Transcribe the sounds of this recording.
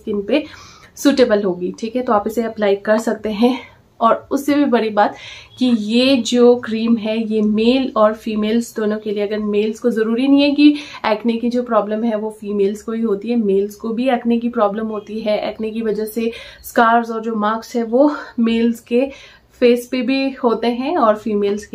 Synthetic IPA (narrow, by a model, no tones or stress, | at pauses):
kɪnpesuːʈeːbəlɦoːɡiːʈʰiːkɦɛt̪oaːpɪseɐplaːɪkɐɾsɐk̚t̪eɦɛ̃ | ɔːɾʊsːebʱibɐɽibaːt̪kijed͡ʒoːkɾiːmɦɛjemeːlɔːɾfiːmeːlzd̪oːnõkelieɐɡəɾmeːlzkozɐɾuːɾinɐɦĩɦɛkiɛːknekid͡ʒoːpɾɔːbləmɦɛʋofiːmeːlzkobʱiɦoːt̪iɦɛmeːlzkobʱiɛːknek̬ipɾɔːbləmɦoːt̪iɦɛʔɛ̰ːknekiʋɐd͡ʒaseskaːɾzɔːɾd͡ʒoːmaːksɦɛʋoːmeːlzke | feːspebʱihoːt̪eɦɛ̃ɔːɾfiːmeːlzke